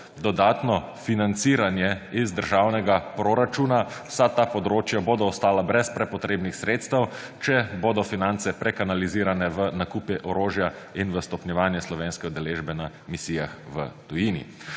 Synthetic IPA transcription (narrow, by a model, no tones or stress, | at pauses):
d̪ɔd̪aːt̪nɔfinant̪siːɾanjɛizd̪əɾʒawnɛɡapɾoɾat͡ʃuːnawsat̪aːpɔd̪ɾoːt͡ʃjaboːd̪ɔɔst̪aːlabɾɛspɾɛpɔt̪ɾeːbnixsɾeːt̪st̪ɐw | t͡ʃɛboːd̪ɔfinant̪sɛpɾɛkanaliziːɾanɛʋənakuːpiʔɔɾoːʒja | inʋəst̪ɔpnʲjɛʋaːnjɛslɔʋeːnskɛɔd̪ɛleːʒbɛna | misiːjaxʋə̰t̪ujiːnḭ